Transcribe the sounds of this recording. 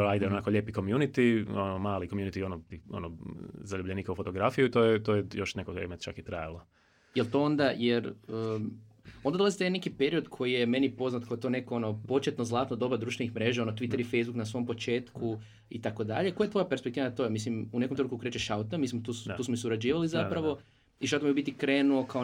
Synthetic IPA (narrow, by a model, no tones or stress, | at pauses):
ajd̪aeonakoʎeːpikomjunit̪ionomaːlikomjunit̪ionot̪io̰nozaʎubʎeniːkaufo̞t̪oɡɾafijuit̪oːjɛt̪ojejo̞ʃnekoɾḛmet͡ʃa̰kit̪ɾajalo | jelt̪o̞o̞nd̪ajeɾəː | ond̪d̪olazit̪ajnekipeɾio̞d̪kʰo̞jijeme̞nipo̞znat̪kakot̪one̞koono̞po̞t͡ʃet̪nozlˠaːt̪nod̪o̞bad̪ɾuʃt̪ʋenixmɾe̞ːʒao̞not̪ʋit̪ːeɾifejzbuknasʋo̞mpo̞t͡ʃe̞ːt̪ku | it̪ako̞d̪a̰ʎekjet̪o̞japeɾspek̚t̪iʋanat̪o̞emislimunekomt̪ɾukukɾet͡ʃeʃaut̪amislimt̪uːst̪uːsmomisuɾad͡ʑiːʋalizapɾaʋo̞ | iʃaut̪mijobit̪ikɾe̞ːnuo̞kao